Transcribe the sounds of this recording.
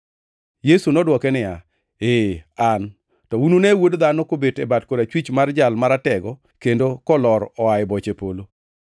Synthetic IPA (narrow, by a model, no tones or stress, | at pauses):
jesunɔdwɔkɛnɪja | ean | tɔunonewodd̪anokobetɛbatkodat͡ʃwit͡ʃmard͡ʒalmaɾatɛɡɔ | kendokɔlɔɾɔaɪbɔt͡ʃepolo